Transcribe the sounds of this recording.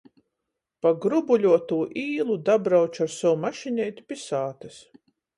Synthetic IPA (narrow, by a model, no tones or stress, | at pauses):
paɡɾubulʲuɔt̪uːʔiːlˠud̪abɾawt͡ʃaɾsɔwmaʃinʲɛjt̪ʲi̥pʲisaːt̪ɨs